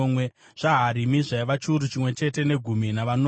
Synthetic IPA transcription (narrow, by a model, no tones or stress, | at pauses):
mwe | ʐ̥aɦaɾimiʐaiʋat͡ʃuɾut͡ʃimwe̞t͡ʃe̞te̞ne̞ɡʱuminaʋano